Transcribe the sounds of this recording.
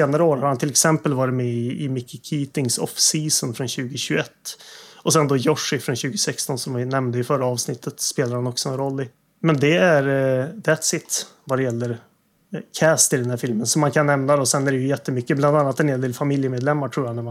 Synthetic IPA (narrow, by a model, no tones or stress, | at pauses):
eːnaɾəoːɾhaɾhant̪ʰɪlɛksɛmpəlvɑːɾɪt̪mɛɪɪmɪkːɪkʰiːt̪ɪŋsɔ̰fsiːsənfɾɔnɕʉ̟ːɡəɕʉɛt̪ːɔsɛnd̪ɔjɔʂːɪfɾɔnɕʉ̟ːɡəsɛkst̪ɔnsɔmvɪnɛmnd̪əjʏfœɾːaɑːvsnɪt̪ʰːət̪speːlad̪ɾhanɔksɔɛnɾɔlːɪ | mɛnd̪ɛæɾd̪æt̪sɪt̪ | vad̪ɛjɛlːəɾ | kʰæːst̪ɪlɛnd̪æɾfɪlmənsɔmːaŋkʰanːɛmnad̪ɔsɛnːæɾɛjɵjɛt̪ːəmʏkːəbland̪anːat̪ɛnheːld̪eːlfamɪljəmeːd̪lɛmːaʈʰɾuːjanæm